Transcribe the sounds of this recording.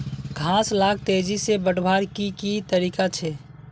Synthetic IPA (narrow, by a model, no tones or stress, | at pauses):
ɡʱãːslaːk̚t̪eːd͡ʒisebəɽbʱaːɾkikit̪əɾiːkat͡ʃʰɛ